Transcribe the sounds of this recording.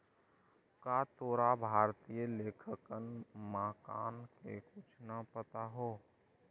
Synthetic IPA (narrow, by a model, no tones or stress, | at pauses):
kaːt̪oːɾabʱaːɾt̪ijəleːkʰəkənmaːkaːnkḛkʊt͡ʃʰnapət̪aɦoː